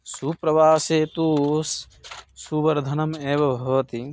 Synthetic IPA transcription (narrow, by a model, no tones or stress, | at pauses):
supɾɐʋaːseːt̪uːsː | ubɐɾd̪ʱɐnɐmeːʋɐbʱɐʋɐt̪i